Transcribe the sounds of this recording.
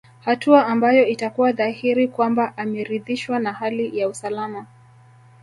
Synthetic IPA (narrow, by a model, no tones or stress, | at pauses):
hatuaʔambajɔitakuwaðahiɾikwambaʔamɛɾiðiʃwanahalijausalama